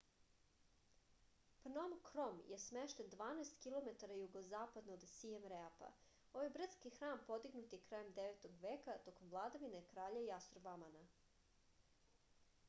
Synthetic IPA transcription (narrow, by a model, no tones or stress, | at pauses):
pnomkɾomjesmeʃt̪e̞nd̪ʋaːnaest̪kilˠo̞met̪aɾajuɡozaːpad̪noːd̪siemɾeapa̰ | oʋojbr̩t̪skixɾaːmpo̞d̪iɡnut̪jekɾaːjemd̪eʋet̪oɡʋeːkat̪o̞komʋlˠaːd̪aʋine̞kɾaːʎaiast̪ɾobamana